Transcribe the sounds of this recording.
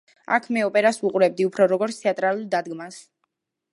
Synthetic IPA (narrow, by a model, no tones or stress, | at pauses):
a̰kʰmɛɔpʼɛɾasuqʼuɾɛb̚d̪iupʰɾɔɾɔɡɔɾt̪sʰt̪ʰɛat̪ʼɾalˠuld̪ad̪ɡmas